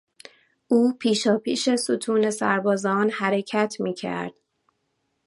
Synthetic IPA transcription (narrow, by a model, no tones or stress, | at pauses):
uːpʰiːʃɒːpʰiːʃe̞sut̪ʰuːne̞sæ̰ɾbɒːzɒːnhæɾe̞cʰæt̪ʰmiːcʰæ̰ɾd̪̥